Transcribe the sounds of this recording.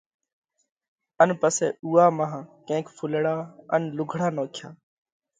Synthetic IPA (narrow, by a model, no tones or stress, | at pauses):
ənpəseːuːaːmaɦãːkẽːkfʰʊləɽaːənlʊɡʱɽaːnoːkʰjaː